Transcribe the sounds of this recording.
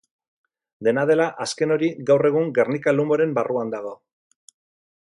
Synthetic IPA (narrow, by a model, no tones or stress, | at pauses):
d̪e̞nað̞e̞laʔaske̞no̞ɾiɣawre̞ɣ̞uŋɡe̞rnikalumo̞ɾe̞mbaruand̪aɣ̞o̞